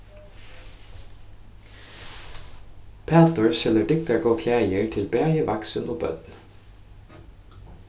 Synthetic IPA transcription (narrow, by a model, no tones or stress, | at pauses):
pʰæːt̪əɹsɛləɖɪk̚t̪aɡoːkʰlæːjəɹt̪ʰɪlbæːjəʋɑksənʔoːbœ̰t̪n̩